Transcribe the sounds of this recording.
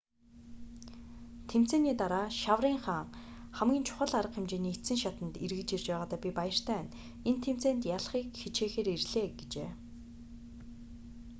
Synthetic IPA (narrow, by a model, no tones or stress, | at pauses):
t̪ʰem̥t͡seːniːt̪aɾaːʃawriːŋχaːŋχæmɡʲiːnt͡ɕʰʊ̥χə̆ɮaɾə̆qxemt͡ɕeːniːet̪sɘ̆ŋʃat̪ə̆nt̪irɣɘ̆t͡ɕirt͡ɕpæːʁaːt̪aːpʲipajə̆r̥t̪ʰæːn | ent̪ʰem̥t͡seːnt̪jaɮχiːkxet͡ɕeːxeːɾerɮeːɡ̥et͡ɕḛː